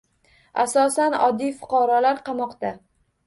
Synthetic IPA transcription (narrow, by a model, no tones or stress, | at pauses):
asɒsanɒ̰d̪ːijfʊ̥qʰɑɾɒlaɾqʰɑmɒqt̪a